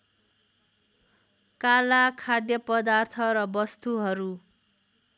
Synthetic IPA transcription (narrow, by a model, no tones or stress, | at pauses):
kalakʰad̪jʌpʌd̪art̪ʰʌɾʌbʌst̪uɦʌɾu